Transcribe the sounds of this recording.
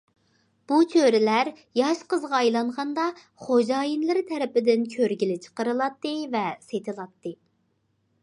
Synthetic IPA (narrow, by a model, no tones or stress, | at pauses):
b̥ut͡ʃʰøɾɪlæɾ | jɑʃqəzʁɑːjlˠɑɴʁɑnd̪ɑ | χod͡ʒɑːjinlˠɨɾt̪ʰɛɾɪpɪd̪ɪnkʲʰøɾɡʲilɪt͡ʃʰə̥qəɾɨlˠɑt̪ːɨvɛset̪ʰɨlˠɑt̪ːɨ